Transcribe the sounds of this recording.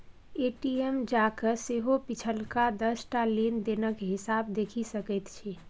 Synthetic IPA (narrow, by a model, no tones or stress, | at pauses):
eʈiemd͡ʒakəɾseɦopit͡ʃʰəlkad̪əsʈalend̪enəkɦɪsabd̪ekʰisəkət̪t͡ʃʰi